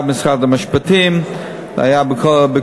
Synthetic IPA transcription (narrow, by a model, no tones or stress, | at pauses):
bmɪsχadəmaʃpatim | da̰jabkʰɔbə